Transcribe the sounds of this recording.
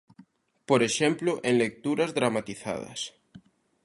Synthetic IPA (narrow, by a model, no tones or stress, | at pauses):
poɾeʃemploʔenlek̚t̪uɾazðɾamat̪iθa̰ðɐ̰s